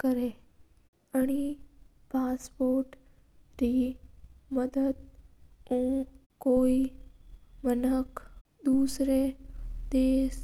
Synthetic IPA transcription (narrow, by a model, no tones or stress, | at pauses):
kəɾe | ɐɽ̃i | paːspoːɾʈ | ɾiː | məd̪əd̪̚ũː | koːi | mənək | d̪uːsɾed̪eːs